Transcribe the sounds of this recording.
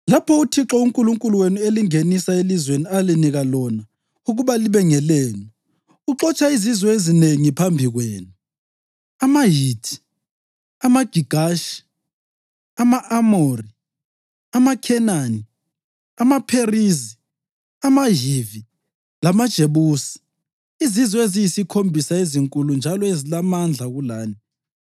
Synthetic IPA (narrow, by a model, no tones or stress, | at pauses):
lapʰɔutʰiǁɔuŋkʼuluŋkʼuluwenueliŋenisaelizwenialiniɣalɔna | uɣuβaliβɛŋɛleːnu | uǁɔt͡ʃʼaizizwɔezineŋipʰambʱiɣweːnu | amaɦitʰi̥ | amaɡ̥ʱiɡ̥ʱaʃi̥ | amaʔamori | amakʰɛnani | amapʰerizi | amaɦivi | lamad̥ʒ̥ʱeβuːsi̥ | izizɔezijisikʰombʱisaeziŋkʼulund͡ʒʱalɔezilamand͡ɮʱaɣulaːni